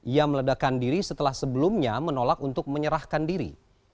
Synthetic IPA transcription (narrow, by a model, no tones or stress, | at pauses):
ijamələdakandiɾisət̪əlahsəbəlumɲamənolakunt̪ʊk̚məɲəɾahkandiɾḭ